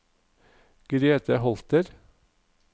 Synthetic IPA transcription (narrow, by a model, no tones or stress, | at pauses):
ɡ̥ɾeːt̪ʰəɦɔlt̪əɾ